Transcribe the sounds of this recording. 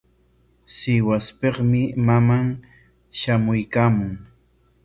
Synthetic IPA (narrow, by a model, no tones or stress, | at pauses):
sɪwaspeχmɪmamaŋ | ʃamʊjkaːmʊŋ